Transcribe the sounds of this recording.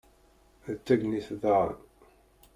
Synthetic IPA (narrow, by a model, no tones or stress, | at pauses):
ðt͡sːæɡniθða̰n